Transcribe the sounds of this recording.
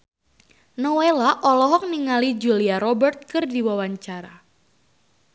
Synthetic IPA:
nɔwelaʔɔlɔɦɔk̚niŋalid͡ʒuliaɾɔbərt̪̚kɨrdiwawaɲt͡ʃaɾa̰

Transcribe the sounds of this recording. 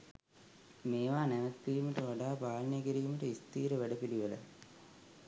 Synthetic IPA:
meːʋaːneʋɐk̪ːijumiʈɐʋɐɖaːpaːlɐnɐɡɐɾijumiʈɐist̪iːɾɐʋeɽɐpiliʋɐlɐ̰

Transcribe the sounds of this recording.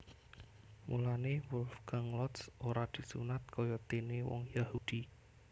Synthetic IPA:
mulanewʊlfkaŋlɔt̪soɾad̪̥i̤sṵnat̪̚kʰɔjɔt̪enewɔ̰ŋjahud̪̥i

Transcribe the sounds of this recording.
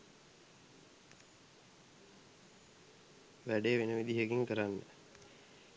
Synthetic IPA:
ʋæɖeːʋenəʋid̪iɦəkiŋkəɾanːə̰

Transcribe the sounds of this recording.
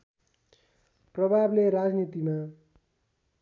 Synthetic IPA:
prʌbʱableɾad͡znit̪ima

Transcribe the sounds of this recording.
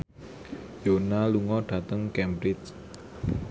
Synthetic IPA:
jonaluŋɔɖ̥ä̤t̪əŋkɛmbɾɪt͡ʃ

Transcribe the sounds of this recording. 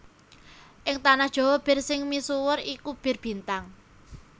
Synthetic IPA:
ʔɪŋt̪anahd̥ʒ̥ɔ̤wɔb̥ɪ̤rsɪŋmisuwərikub̥ɪ̤rb̥i̤nt̪aŋ

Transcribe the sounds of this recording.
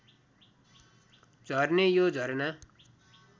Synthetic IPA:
d͡zʱʌrnejod͡zʱʌɾna

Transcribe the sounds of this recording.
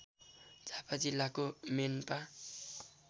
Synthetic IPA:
d͡zʱapad͡zilːakomenpa

